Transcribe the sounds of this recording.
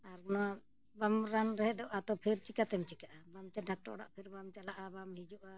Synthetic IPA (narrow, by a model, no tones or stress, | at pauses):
aɾna | bamɾanɾɛɦɛd̪ɔʔat̪ɔpʰiɾt͡ʃikat̪ɛmt͡ʃikaʔabamt͡ʃɛɖak̚ʈɔɔ̰ɽa̰ʔpʰiɾbamt͡ʃalaʔabamhid͡ʒuʔa